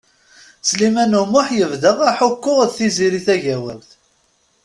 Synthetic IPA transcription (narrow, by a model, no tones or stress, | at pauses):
slimænʊmʊħjəvðəʁaħʊkːʊʁðθiziɾiθæʝæwəlθ